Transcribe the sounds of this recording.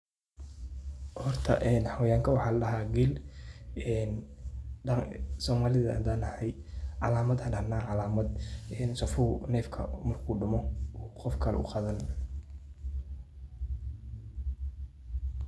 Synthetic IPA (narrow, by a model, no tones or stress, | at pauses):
hɔrt̪ʰɐ̰ʔɛːnħɑwjaːŋkʰɐwɑħɑːlɐlɐɦaːɡil | ɛːn | sɔːmaːlɪðɐ̰d̪aːnɐħɛj | ʕɑ̰laːmɐd̪hɐɖɐnaːrʕɑlaːmɐd̪ɛːnsɐfʊhnɛːfkʰɐ̰mɐrkʰuːɖʊmɔɔːqɔfkʰɐlɛ̰ʊqɑðɐn